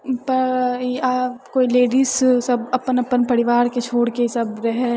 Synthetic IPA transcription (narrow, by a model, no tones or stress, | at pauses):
pɐɾaːpkoːileːɖissɐbɐpənɐpənpɐɽɪʋaːɾket͡ʃʰoːɽkesɐbɾɛɦɛ